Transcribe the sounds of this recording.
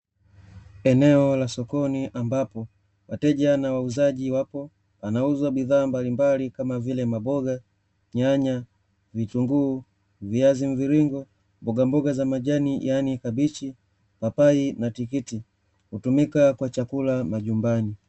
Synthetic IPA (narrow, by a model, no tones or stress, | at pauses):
ɛnɛɔlasɔkɔniʔambapɔ | watɛʄanawauzaɟiwapɔ | panauzwabiðaːmbalimbalikamavilɛmabɔɡa | ɲaɲa | vituŋɡuː | viaziɱviɾiŋɡɔ | mbɔɡambɔɡazamaʄanijanikabit͡ʃi | papainatikiti | hutumikakwat͡ʃakulamaʄumbani